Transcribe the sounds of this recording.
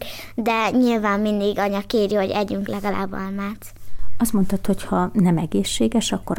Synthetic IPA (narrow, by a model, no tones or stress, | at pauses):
d̪ɛɲilvaːmːind̪iɡɒɲɒkeːɾiho̞ɟɛɟyŋklɛɡɒla̰ːbːɒ̰lmaːt̪ɒst̪mo̞nt̪ɒt̪ho̞chɒnɛmɛɡeːʃːeːɡɛʃɒkːo̞ɾ